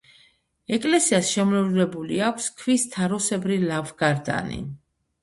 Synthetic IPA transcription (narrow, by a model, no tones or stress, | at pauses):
ɛkʼlɛsiasʃɛmlɛvlɛbuliakʷʰskʰvist̪ʰaɾɔsɛbɾilavɡ̥aɾd̪a̰nḭ